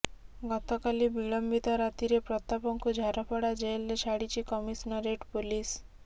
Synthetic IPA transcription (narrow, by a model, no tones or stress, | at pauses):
ɡɔt̪ɔkalibiɭɔmbit̪ɔɾat̪iɾepɾɔt̪ːapɔŋkud͡ʒʱaɾɔpʰɔɽad͡ʒelːet͡ʃʰaɽit͡ʃʰikɔmisnɔɾeʈpulis